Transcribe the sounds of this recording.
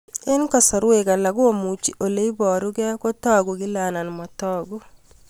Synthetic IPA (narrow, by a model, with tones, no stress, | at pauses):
ɪ˦nkɔ˦˨sɔ˨ɾwe˨ka˨la˨ɡu˦o˦˨mu˨t͡ʃi˨ʔo˨le˦i˦bɔ˨ɾu˦ɡɛ˦ko˦tɔː˦ɡu˨ki˦la˨na˨nma˨tɔ˦ɡu˦